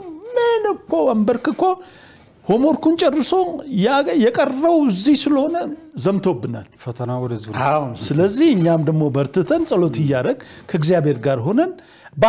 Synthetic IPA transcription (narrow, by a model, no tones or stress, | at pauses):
mɨnɨkːoambəɾkɨkːo | ho̞mo̞ɾkunt͡ʃʼɛrːɨso̞jjɛkʼərːəβɨzːihsɨləho̞nəzəmt̪ʰobːɨna̰lfət̪ʰənawɔd̪əziawnsɨləzːihɨɲːamd̪əɡmo̞bəɾt̪ʰɨt̪ʰənsʼəlo̞t̪ɨjːaɾəɡkʰəɪɡzijabe̞ɾɡaɾɦo̞nən | b